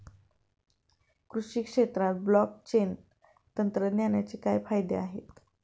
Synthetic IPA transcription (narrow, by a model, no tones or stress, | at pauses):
kɾuɕikʂet̪ɾat̪̚blɔk̚t͡ɕen | t̪ənt̪ɾənjanjat͡ɕiːkajfajd̪ḛaɦet̪̚